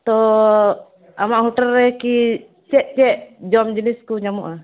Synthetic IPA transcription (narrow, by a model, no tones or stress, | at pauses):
t̪ɔ | amaʔɦuʈalːɛki | t͡ʃɛʔ̚t͡ʃɛʔd͡ʒɔmd͡ʒiniskɔɲamuʔa